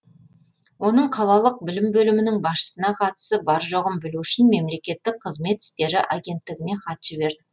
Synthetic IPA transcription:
wo̞nəɴqʰɑlˠɑlˠəq̚bɪlɪmbɵlɪmɪnɪŋbɑsʃə̥sənɑqʰɑt̪ə̥səbɑɾʒo̞ʁəmbɪluɪʃɪnme̞mle̞kʲe̞t̪ːɪk̚qʰəzme̞t̪ɪ̥st̪e̞ɾɪʔaɡʲe̞nt̪ːɪɡʲɪne̞χɑt̪ʒ̥ɪbe̞ɾd̪ɪ

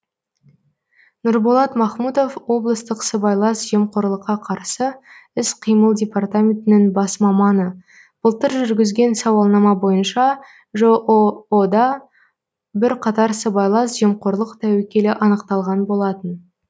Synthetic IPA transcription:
nʊɾbolˠɑt̪mɑχmud̪o̞fwo̞blˠəst̪əqsəbɑjlˠɑsʒe̞mqoɾlˠəqːɑqʰɑɾsəɪsqʰijməlˠdʲe̞part̪amʲent̪ɪnɪŋbɑsmɑmɑnə | b̥əlˠt̪əɾʒʏɾɡʲɪzɡʲe̞nsɑwɑlˠnɑmɑbo̞jənʃɑ | ʒoʔod̪ɑ | bɪɾqʰɑt̪ɑɾsəbɑjlˠɑsʒemqo̞ɾlˠəqt̪ʰæwekʲe̞lɪʔɑnəqt̪ɑlˠʁɑnbo̞lˠɑt̪ən

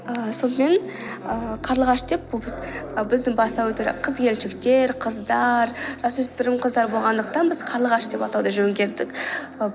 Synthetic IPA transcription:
əso̞nəme̞nəqʰɑɾlˠəʁɑʃd̪e̞p̚bʊlˠbɪzəbɪzd̪ɪŋbɑsɑwɵt̪uɾḛqʰəzkʲʰe̞lʃɪkt̪e̞ɾqʰəzd̪ɑɾʒ̥ɑswɵspɪɾɪmqʰəzd̪ɑɾbo̞lˠʁɑnd̪əq̚t̪ɑnbɪz̥qʰɑɾlˠəʁɑʃd̪e̞pɑt̪ɑwd̪ɑʒɵŋɡʲe̞ɾd̪ɪk

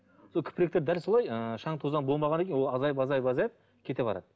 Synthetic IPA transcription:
sokʲʰʏ̥pɪɾekt̪ed̪ælso̞lˠɑjəʃɑɴt̪ʰuzɑnbo̞lˠmɑʁɑnekʲenwo̞lˠɑzɑjpɑzɑjpɑzɑjəp̚ | kʲʰe̞t̪e̞bɑɾɑ̰d̪̥ə

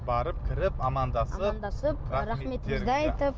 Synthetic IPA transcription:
bɑɾəp̚kʲʰɪɾɪpɑmɑnd̪ɑsənd̪ɑsəpɾamet̪ːed̪eɑjt̪əp

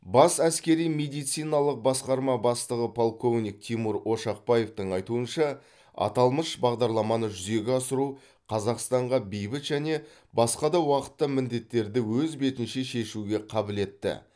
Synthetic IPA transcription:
bɑsæskʲe̞ɾijme̞d̪ijt̪sijnɑlˠəq̚bɑsqɑɾmɑbɑst̪əʁəpʰolˠkʰo̞vnʲijk̚t̪ʰimuɾo̞ʃɑq̚pɑje̞ft̪əɴɑjt̪uənʃɑ | ɑ̰t̪ɑlˠməʃbɑʁd̪ɑɾlˠɑmɑnəʒʏze̞ɡʲɪɑsəɾu | qʰɑzɑqst̪ɑɴʁɑbejbɪt̪ʒæne̞ | bɑsqɑd̪ɑwɑqə̥t̪ːəmɪnd̪e̞t̪ːe̞ɾd̪ɪwɵzbe̞t̪ɪnʃeʃe̞ʃuɡʲe̞qʰɑbɪle̞t̪ːɪ̰

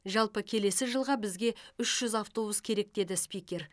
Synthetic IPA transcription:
ʒɑlˠpəkʲʰe̞le̞sɪʒəlˠʁɑbɪzɡʲe̞ʏʃʒ̥ʏzaft̪o̞buskʲʰe̞ɾe̞k̚d̪e̞d̪ɪspʲijkʲe̞ɾ

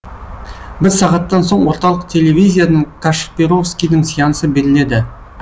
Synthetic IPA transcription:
bɪzsɑʁɑt̪ːɑnso̞ɴwo̞ɾt̪ɑlˠəq̚t̪ʰe̞le̞vʲijzʲijanəɴkʰaʃpeɾo̞fskʲijd̪ɪŋsijɑnəsəbe̞ɾɪle̞d̪ɪ

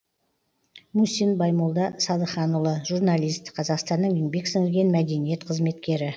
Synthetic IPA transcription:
musinbɑjmolˠd̪ɑsɑd̪əχɑnulˠəʒurnalʲijst̪qʰɑzɑqst̪ɑnːəɴeŋbe̞ksɪŋɪɾɡʲe̞nmæd̪e̞nije̞t̪qʰəzme̞t̪kʲe̞ɾɪ

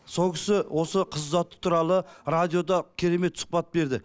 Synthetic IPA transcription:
so̞lˠkʲʰɪ̥sɪwʔo̞səqʰəzzɑt̪ːə̥t̪ʰuɾɑlˠəɾad̪ijo̞d̪ɑkʲʰe̞ɾe̞me̞t̪sʊ̥q̚pɑt̪̚be̞ɾd̪ɪ

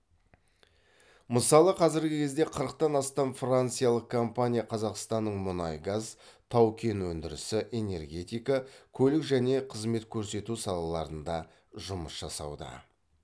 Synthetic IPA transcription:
məsɑlˠəqʰɑzɪɾɡʲɪkʲʰe̞zd̪e̞qʰəɾəqt̪ɑnɑst̪ɑmfrant̪sɨjalˠəq̚kʰo̞mpanʲijaqʰɑzɑqst̪ɑnːəɴmʊnɑjɡɑzt̪ʰɑwkʲʰe̞nwɵnd̪ɪɾɪ̰sɪʔe̞ne̞rɡʲe̞t̪ijkɑkʲʰɵlɪkʒæne̞qʰəzme̞t̪kʲʰɵɾse̞t̪usɑlˠɑlˠɑɾənd̪ɑ | ʒʊməsʒɑsɑ̰wd̪ə̰

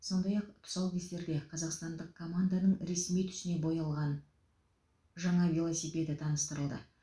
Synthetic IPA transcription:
so̞nd̪ɑjɑqt̪ʰʊ̥sɑlˠkʲʰest̪e̞ɾd̪e̞qʰɑzɑqst̪ɑnd̪əqkʰːo̞mand̪anəɴɾe̞smijt̪ʰʏ̥ʃɪne̞bo̞jɑlˠʁɑn | ʒɑɴɑvʲilˠosijpʲe̞t̪ɪt̪ʰɑnəst̪əɾəlˠd̪ə̰

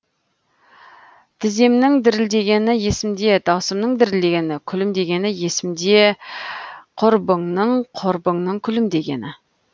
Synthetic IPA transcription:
t̪ʰɪze̞mnɪŋd̪ɪɾɪld̪e̞ɡʲe̞nɪje̞sɪmd̪e̞d̪ɑwsəmnəɴd̪ɪɾɪld̪e̞ɡʲe̞nɪkʲʰʏlɪmd̪e̞ɡʲe̞nɪje̞sɪmd̪e̞ | qʰʊɾbəɴnəɴqʰʊɾbəɴnəŋkʲʰʏlɪmd̪e̞ɡʲe̞̰nɪ

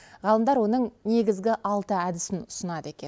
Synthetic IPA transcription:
ʁɑlˠəmd̪ɑɾwo̞nəɴne̞ɡʲɪzɡʲɪʔɑlˠt̪əæd̪ɪsɪnʊsənɑd̪əe̞kʲe̞n

